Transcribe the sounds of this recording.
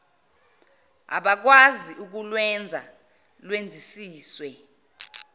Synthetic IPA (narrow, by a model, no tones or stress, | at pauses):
a̰ɓak̬waziʔuk̬ulwɛnd͡zʱa̰ | lwend͡zʱisiːswɛ